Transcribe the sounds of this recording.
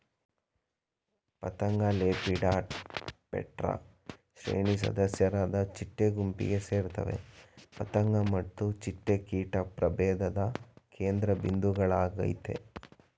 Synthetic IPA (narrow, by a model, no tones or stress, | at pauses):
pɐt̪ɐŋɡɐleːpiɖaːʈpɛ̰ʈɾa̰ | ʃɾḛːɳisɐ̰d̪ɐsjɐɾaːd̪ɐt͡ʃiʈːeɡumpḭɡe̞se̞ːɾt̪ɐʋḛpɐt̪ɐŋɡɐmɐt̪ːut͡ʃiʈːekiːʈɐpɾɐbɛːd̪ɐd̪ɐkeːnd̪ɾɐbind̪uɡɐɭaːɡɐ̰jt̪e̞̰